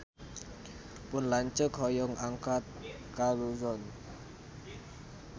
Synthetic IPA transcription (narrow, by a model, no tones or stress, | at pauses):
pʊnlaɲt͡ʃəkhɔjɔŋaŋkat̪̚ | kaluzɔn